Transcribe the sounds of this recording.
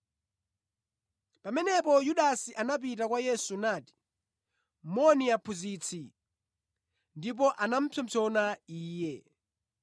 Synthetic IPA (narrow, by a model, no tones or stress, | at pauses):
pamɛnɛpɔjuɗasiʔanap̬it̬akwajɛsunaːti̥ | mɔniapʰuzit͡sʰi | ndip̬ɔʔanam̩pʰɔm̩t͡sʰɔnaiːjɛ